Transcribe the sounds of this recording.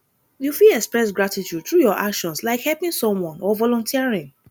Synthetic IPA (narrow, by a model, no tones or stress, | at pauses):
jufilɛkspɹɛsɡɹatitud̚t̪ɹujɔʔakʃɔ̃nslaɪkhɛlpĩŋsɔ̃mwɔ̃nɔvɔlɔ̃ntʰiaɹĩŋ